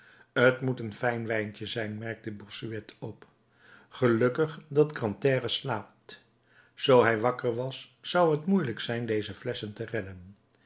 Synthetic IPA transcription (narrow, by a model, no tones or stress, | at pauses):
ɦətmutənfɛjnʋɛjncəzɛjnmɛɹk̚təbɔsyɛtʰɔp | χəlɵkəχdɑtkrɑntɛːrəslaːp̚t | z̥owɦɛjʋɑkəɹʋɑsː | ɑwɦətmujləksɛjndejzəflɛsəntərɛdən